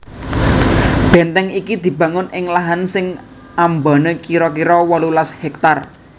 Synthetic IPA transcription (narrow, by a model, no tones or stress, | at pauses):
b̥ɛnt̪ɛŋikid̪̥i̤bä̤ŋʊnɪŋlaɦansɪŋ | amba̤nəkiɾɔkiɾɔwɔlulashɛk̚t̪ar